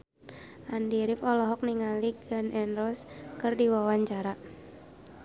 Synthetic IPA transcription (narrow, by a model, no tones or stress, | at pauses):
ʔandiɾɪfɔlɔɦɔk̚niŋaliɡanʔɛnɾɔskɨrdiwawaɲt͡ʃaɾa